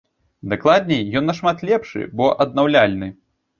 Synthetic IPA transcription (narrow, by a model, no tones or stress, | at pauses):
d̪aklˠad̪ʲnʲɛjjɔnːɐʂmat̪lʲɛpʂɨ̰bɔʔɐd̪̚nawlʲalʲnɨ